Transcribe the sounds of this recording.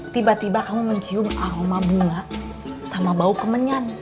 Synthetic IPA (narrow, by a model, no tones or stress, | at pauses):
t̪ibat̪ibakamuməɲt͡ʃiumaɾomabuŋa | samabaukəməɲan